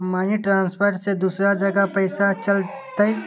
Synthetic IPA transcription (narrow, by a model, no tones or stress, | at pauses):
maːniʈɾãːnspʰəɾʈsed̪uːsɾad͡ʒɐɡapəɪsat͡ʃəlt̪əɛ